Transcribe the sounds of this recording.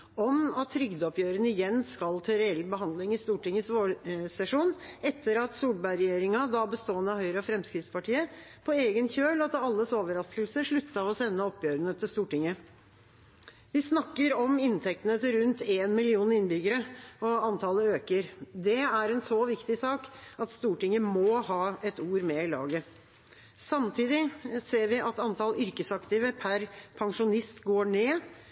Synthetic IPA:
ɔmɑt̪ʰːɾʏɡd̪ɔpjøːɾənəɪjɛnːskɑlt̪ʰɪɾɛɛlːbəɦɑnd̪lɪŋɪst̪uːʈɪŋːəsʋoːɽsɛʂuːnɛt̪ʰːəɾɑt̪suːlbɑɾɛjeːɾɪŋɑd̪ɑbəst̪oːənːəɑhœʏɾəɑfɾɛmskɾɪt̪spɑʈʰiːəpʰɔeːɡənçøːlɑt̪ɑlːəsoːʋəɾɑskəlsəʂɭʉt̪ːɑɔsɛnːəɔpːjøːɾənət̪ʰɪlst̪uːʈɪŋːə | ʋɪsnɑkːəɾɔmɪnt̪ʰɛk̚t̪ənət̪ʰɪlɾʉnt̪eːnmɪlɪuːnɪnbʏɡəɾəɔɑnt̪ʰɑləøːkəɾd̪ɛæɾɛnsoːʋɪkt̪ɪsɑːkɑt̪st̪uːʈɪŋəmɔhɑːɛt̪uːɾmɛɪlɑ̰ːɡə | sɑmt̪ʰiːd̪ɪseːɾʋɪʔɑt̪ɑnt̪ʰɑlʏɾkəsɑkt̪ɪʋəpʰæɾpʰɑŋʂʊnɪst̪ɡoːɳeː

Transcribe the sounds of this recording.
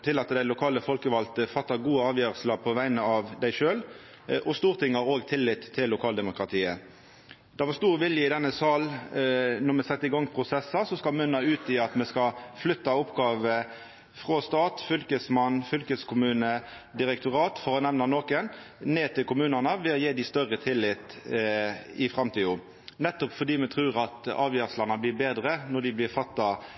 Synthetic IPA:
t̪ʰɪlːɑt̪d̪æɪlʊkʰɑːləfɔlkəʋɑlt̪əfɑt̪ːɑɡuːəɑːʋjøːʁəslɑpʰɔʋæɪnəɑʋd̪æɪʂøːl | ʔɔst̪uːʁt̪ʰɪŋɑʁoːɡt̪ʰɪlːɪt̪ʰːɪlːʊkʰɑːld̪ɛmʊkʁɑt̪ʰiːə | d̪̥ɛʋɑʁst̪uːʁʋɪljəɪd̪ɛnːəsɑːl | nɔʁmɛsɛt̪ːəɪɡɑŋpʰʁʊsɛsːɑsɔskɑmʏnːɑʉːt̪ɪɑt̪mɛskɑflʏt̪ːɑʊpɡɑːʋə | fʁɔst̪ɑːt̪fʏlkəsmɑnfʏlkəskʰʊmʉːnə | d̪ɪɾɛk̚t̪ʊʁɑːt̪fɔʁənɛʋnɑnoːkənneːt̪ʰɪlkʊmʉːnənəʋɛɔjeːd̪ɪst̪œɾət̪ʰɪlːɪt̪ | ɪfʁɑmt̪ʰiːʊ | nɛt̪ːɔpfɔd̪iːmɛt̪ʰɾʉːʁɑt̪ɑ̰ːʋjøːʁslɑnəblɪɾbeːd̪ɾənɔd̪ɪblɪʁfɑt̪ːɑ

